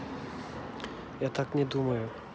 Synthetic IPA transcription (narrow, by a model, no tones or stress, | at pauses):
jat̪aknʲɛd̪umɐjʊ